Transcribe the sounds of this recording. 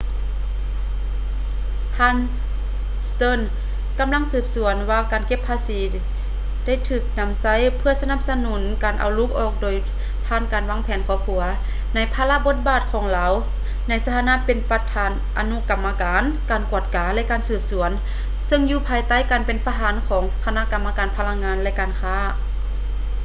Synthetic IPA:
t̪ʰaː˧˥˨n | st̪ɤː˧˥˨n | ka˨mla˧˥˨ŋsɯː˧˩p̚su˨˩˦ənwaː˧˩kaː˨nke˧˥pʰːaː˧siː˨˦ | da˥˨jt̪ʰɯː˧˩k̚na˧˥msa˧˥˨jpʰɯ˧ɐsa˧na˧˥˨p̚sa˧nu˨˦nkaː˨nʔa̰˨˩wlu˧˥k̚ʔɔː˨˩k̚doː˨j | pʰaː˧˩˨nkaː˨˩nwaː˧˥˨ŋpʰɛː˨˦nkʰɔː˧˦p̚kʰu˨˩˦ɐ | na˧˩˨jpʰaː˧la˧˥bo˧˥t̪̚baː˧˩t̪̚kʰɔː˨˦ŋlaː˨˧w | na˧˥˩jsa˧t̪ʰaː˧naː˧˥˨pe˨npa˧t̪ʰaː˨˦nʔa˨nu˧˥˨ka˨mːa˧kaː˨˦n | kaː˨˩nku˧˩ət̪̚kaː˨˦lɛ˧˥ʔkaː˨nsɯː˧˩p̚su˩˦ən | sɤ˧˨ŋjuː˧˩pʰaː˧˩jt̪a˧˥˨jkaː˨npe˨npa˧ɦaː˨˦nkʰɔː˨˦ŋkʰa˧na˧˥˨ka˨mːa˧kaː˨˩npʰa˧la˧˥ŋaː˧˥nlɛ˧ʔkaː˨nkʰaː˧˥˨

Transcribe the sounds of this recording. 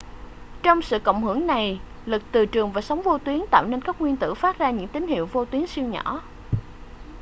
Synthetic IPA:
t͡ɕɔ˧wŋ͡msɨ̰˧˨kə̰˧˨ŋ͡mhɨ˧˩əŋna˨˩j | lɨ˨˩k̚t̪ɨ˨˩t͡ɕɨ˨˩əŋvaː˨˩sa˨˦wŋ͡mvo˧t̪wi˨˦ənt̪a̰ː˧˨wne˧nkaː˦˥k̚ŋwi˧ənt̪ɨ̰˧˥faː˦˥t̚zaː˧ɲɨ̰˧˥ŋt̪i˨˦ŋ̟hḭ˧˨əwvo˧t̪wi˨˦əŋsi˧əwɲɔ̰˧˩˥

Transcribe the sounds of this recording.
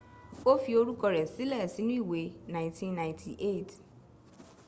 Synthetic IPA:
o˦fi˨o˦ɾu˦kɔ˧ɾɛ˨si˦lɛ˦˨si˦nʊ̃˦i˦˨we˨nã˨ɪ̃˨ntʰĩ˦nːã˨ɪ̃˨ntʰi˨ʔe˦˨t

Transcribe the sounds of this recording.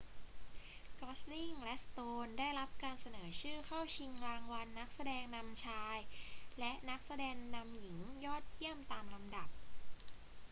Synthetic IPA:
kɔː˦˥sni˥˩ŋlɛ˦˥ʔst̪oː˧ndaː˥˩jla˦˥p̚kaː˧nsa˧nɤː˩˦t͡ɕʰɯː˥˩kʰa˥˩wt͡ɕʰi˧ŋklaː˧ŋwa˧nːa˦˥k̚sa˧dɛː˧ŋna˧mt͡ɕʰaː˧jlɛ˦˥ʔna˦˥k̚sa˧dɛː˧ŋna˧mji˩˦ŋjɔː˥˩t̪̚ji˥˩əmt̪aː˧mla˧mda˨˩p̚

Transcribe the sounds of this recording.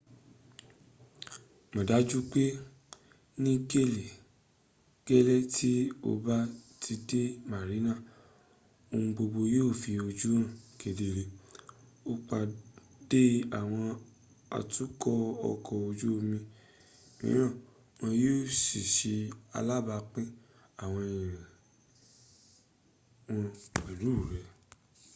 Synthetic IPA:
mã˨da˨˦d͡ʒu˦k͡pe˦ | nĩ˦ke˦˨le˨ | kɛ˦lɛ˦tʰi˦o̰˧ba˦tʰi˧de˦ma˨ɾi˨˦nã˦˨ | o˧hũ˧ɡ͡bo˧ɡ͡bo˧joː˦˨fi˧o˧d͡ʒu˦ɾã˦˨ke˨de˧˨ɾe˧ | o˧k͡pa˧ | d̥e˦a˨w̃ɔ̃˧ | a̰˧tu˦kɔ˦ɔ̰˧kʰɔ˧˨o˧d͡ʒu˦o˧mĩ˧ | ḭ̃˦ɾ̃ã˦˨ | w̃ɔ̃˧jo˦˨si˨ʃi˧a̰˧la˦ba˧k͡pɛ̃˦ | a˦˨w̃ɔ̃˧ĩ˨ĩ˨ɾĩĩ˨ | wɔ̃˧ɛ˨lu˨˦˨ɾɛ˨

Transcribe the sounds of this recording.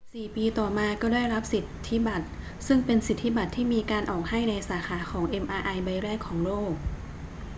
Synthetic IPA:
siː˨˩piː˧t̪ɔː˨˩maː˧kɔː˥˩daː˥˩jɾa˦˥p̚si˨˩t̪ʰːi˦˥ba˨˩t̪̚ | sɯ˥˩ŋpe˧nsi˨˩t̪ʰːi˦˥ba˨˩t̪ʰːiː˥˩miː˧kaː˧nʔɔː˨˩k̚ha˥˩jna˧jsaː˩˦xʰaː˩˦xʰɔː˩˦ŋʔe˧mʔaː˧ʔa˧jba˧jɾɛː˥˩kʰːɔː˩˦ŋloː˥˩k̚

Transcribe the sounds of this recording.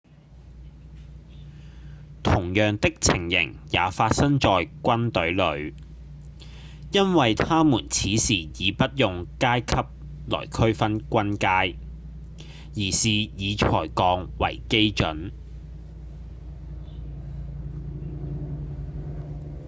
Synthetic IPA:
t̪ʰʊ˨˩ŋjœː˨ŋt̪ɪ˥k̚t͡sʰɪ˨˩ŋjɪ̰˨˩ŋja̰ː˨˧faː˧t̚sɐ˥ŋt͡sɔː˨jkʷɐ˥nt̪ɵ˨˥ɥlɵ˨˧ɥ | jɐ˥nwɐ˨jt̪ʰaː˥muː˨˩nt͡sʰiː˨˥siː˨˩jiː˨˧pɐ˥t̚jʊ˨ŋkaː˥jkʰɐ˥p̚ | lɔ̰ː˨˩jkʰɵ˥ɥfɐ˥nkʷɐ˥nkaː˥j | jiː˨˩siː˨jiː˨˧t͡ʃʰɔː˨˩jkɔː˨˧˥ŋwɐ̰˨˩jke˥jt͡ʃɵ̰˨˥n

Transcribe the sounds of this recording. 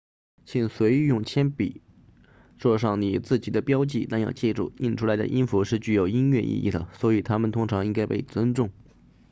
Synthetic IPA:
t͡ɕʰi˥˩nswe˧˥ɪ˧jʊ˥˩ŋt͡ɕʰjɛ˥npḭ˨˩˦ | ʈ͡ʂwɔ˥˧ʂɑ˥˩ŋni˨˩t͡sɹ̩˥˩t͡ɕi˨˩d̪ə˦pjɑ˥ʊt͡ɕi˥˩t̪a˥˧njɑ̰˥˧ʊt͡ɕjɛ˥˧ʈ͡ʂṵ˥˩i˥˩nʈ͡ʂʰu˥la˧˥ɪd̪ə̰˧ʔi˥nfu˧˥ʂɻ̩˥˧t͡ɕy˥˩jo˨˩ʊi˥nɥɛ˥˧ʔḭ˥˧ʔḭ˥˩d̪ə̰˩swɔ˧˥i˨˩t̪ʰa˥mə˨nt̪ʰʊ˥ŋʈ͡ʂʰɑ˧˥ŋi˥ŋka˥ɪpe˥˩ɪt͡swə˥nʈ͡ʂʊ˥˩ŋ

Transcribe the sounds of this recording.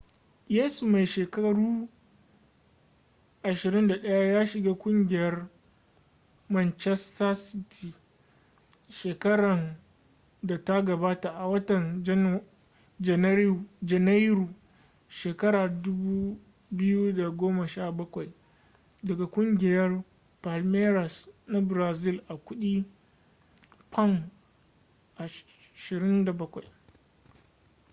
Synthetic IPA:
jeː˦su˨ma˨jʃeː˨kɐ˦ɽuː˦ | ʔa˨ʃɪ˨ɾɪ˦nda˨ɗɐ˦ja˦jaː˦ʃɪ˨ɡaː˦kʷʼʊ˦ŋɡʲɪ˦jɐ˦r | mɐ˦nt͡ʃɛ˦sta˦sɪ˦tʰi˨ | ʃeː˨kɐ˦ɽɐ˨n | da˨ta˦ɡɐ˨baː˦ta˨ʔa˨wɐ˦tɐ˨nd͡ʒ | d͡ʒɛ˨n˦ɾd͡ʒɛ˨na˦jɾuː˨ | ʃeː˨kɐ˦ɾaː˨dʊ˦buː˦ | bɪ˦ju˦da˨ɡʷoː˦ma˨ʃaː˦˨bɐ˦kʷa˨j | dɐ˨ɡa˨kʷʼʊ˦ŋɡʲɪ˨jɐ˦r | pa˨lmeː˦ɾɐ˨sna˦bɾaː˨zɪ˦˨lʔa˨kʷʊ˦ɗiː˦ | pʰɐ˦m | ʔa˨ | ʃɪ˨ɾɪ˦nda˨bɐ˦kʷa˨j

